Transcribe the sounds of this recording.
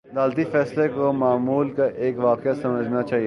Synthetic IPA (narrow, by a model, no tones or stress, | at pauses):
d̪aːlt̪ifɛːslekomaːmuːlkaʔeːkʋaːkeasɐməd͡ʒʱnat͡ʃaːɦie